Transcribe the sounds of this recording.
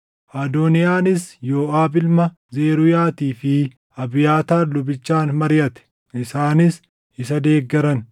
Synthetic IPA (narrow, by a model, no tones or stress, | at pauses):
ʔaːd̪oːnɪjaːnɪsjoːaːbɪlmɐ | zeːɾʊjaːt̪iːfɪ | ɐbɪjaːt̪aːlʊbɪt͡ʃːaːnmɐɾɪjɐt̪ɛ̥ | ʔɪsaːnɪs | ɪsɐd̪e̞ːɡːɛɾɐn